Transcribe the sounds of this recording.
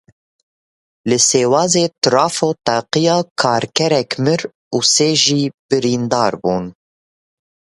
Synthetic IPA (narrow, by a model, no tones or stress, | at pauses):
lɨseːwɑːzeːt̪ɨɾɑːfoːt̪ɑːqijɑːkʰɑːɾkʰɛɾɛkmɨɾ | uːseːʒiːb̥ɨɾiːnd̪ɑːɾbuːn